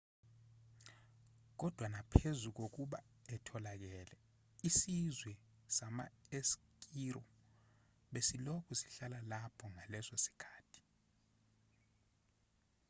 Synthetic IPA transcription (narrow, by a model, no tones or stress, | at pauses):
k̬ɔd̥ʱwanapʰezuk̬ok̬uɓa | ɛtʰɔlak̬ɛːlɛ | isizwɛ | samaesk̬ʼirɔ | ɓesilokʰusi̥ɬalalapʰɔŋalɛsosi̥kʰaːtʰi̥